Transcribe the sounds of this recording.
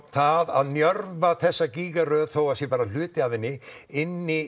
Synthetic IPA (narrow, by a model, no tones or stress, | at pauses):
θaðaðnjœɾvaθɛsːaciːɣaɾœðθoːwasjɛpaːɾal̥ʏːt̪ɪavɪnːɪɪnːɪ